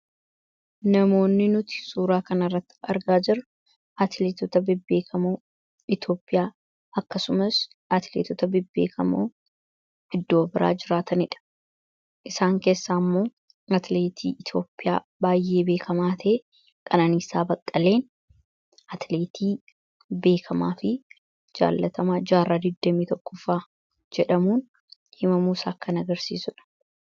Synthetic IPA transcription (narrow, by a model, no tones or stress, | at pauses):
nɐmo̞ːnːɪnʊt̪ɪ̥suːɾaːkɐnɐrːɐt̪ːɪ̥ɐɾɡaːd͡ʒɪɾɐ | ɐt̪leːt̪ɔt̪ɐbɪbːe̞ːkʰɐmoː | ɪt̪o̞ːpʼːɪjaː | ɐkːɐsʊmɐs | ɐt̪leːt̪ɔt̪ɐbɪbːe̞̰ːkʰɐmoː | ɪd̪ːo̞ːbɪɾa̰ːd͡ʒɪɾaːt̪ɐnɪᶑɐ̥ | ʔɪsaːŋke̞ːsːaːmːo̞ː | ɐt̪le̞ːt̪ʰḭːɪt̪ʰjo̞ːpʼːɪja̰ː | baːjːe̞ːbe̞ːkʰɐmaːt̪ʰː | kʼɐnanisaːbɐkʼːɐle̞ːn | ɐt̪le̞ːt̪ʰiː | be̞ːkʰɐmaːfɪ | d͡ʒa̰ːlːɐt̪ɐmaːd͡ʒaːrːaːd̪ɪd̪ːɐmiːt̪ɔkːʊfaː | d͡ʒɛᶑɐmuːn | hɪmɐmuːsaːkːɐnɐɡɐɾsiːsʊᶑɐ̥